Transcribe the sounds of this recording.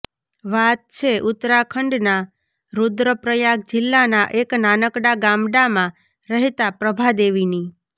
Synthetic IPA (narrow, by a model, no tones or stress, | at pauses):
ʋat̪̚t͡ʃʰeʔut̪ɾakʰəɳɖna | ɾud̪ɾəpɾəjak̚d͡ʒɪlːanaʔeknanəkɽaɡãmɽamã | ɾəɦet̪apɾəbʱad̪eʋini